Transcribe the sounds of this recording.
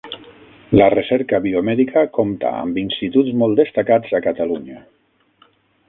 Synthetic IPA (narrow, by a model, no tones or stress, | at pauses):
lərəsɛɾkəβiomɛðikʰəkomt̪a̰ə̰mbinsit̪uzmɔlˠd̪est̪akad͡zakat̪aluɲa